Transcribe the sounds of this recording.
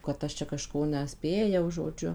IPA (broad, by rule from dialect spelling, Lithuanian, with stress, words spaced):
kɐt ˈɐʃ t͡ʃʲɛ kɐˈʃkoː nʲɛˈsʲpʲeːjɛʊ ʒoːˈd͡ʒʲʊ